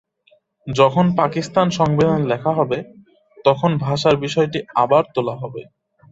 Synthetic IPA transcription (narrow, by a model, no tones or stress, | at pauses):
d͡ʑɔkʰonpakist̪anʃɔŋbid̪ʱanlɛkʰaɦɔbe | t̪ɔkʰonbʱaʃaɾbiʃɔeʈiabaɾt̪olaɦɔbe